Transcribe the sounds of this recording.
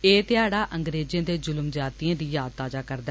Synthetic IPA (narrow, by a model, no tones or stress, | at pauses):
eːt̪ɪaːɽaːʔəŋɡɾeːd͡ʒẽːd̪eːd͡ʒʊlmd͡ʒaːt̪ijãːd̪iːjaːd̪̚t̪aːd͡ʒaːkəɾd̪ɛː